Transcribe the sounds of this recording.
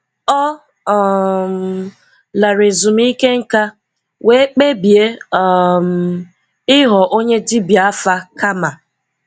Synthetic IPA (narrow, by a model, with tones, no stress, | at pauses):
ɔ˦˨ | m˨ | la˨ɾe˨zu˨m˦i˦ke˦ŋ̩˦ka˦ | we˦k͡pe˦bje˦ɔ˦m̩˨ | ɪ˦ɦɔ˨ʔo˦ɲe˦di˦bja˦fa˦ka˦ma˨